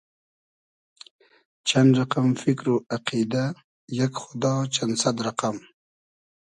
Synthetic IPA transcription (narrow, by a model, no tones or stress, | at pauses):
t͡ʃʰanɾaqamfɪkɾoʔaqid̪a | jakxʊd̪ɑːt͡ʃansad̪ɾaqam